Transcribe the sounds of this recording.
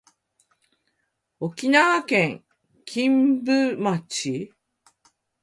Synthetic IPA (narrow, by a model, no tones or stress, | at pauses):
o̞kʲinaβakẽŋ | kʲʰĩmbɯ̟mat͡ɕi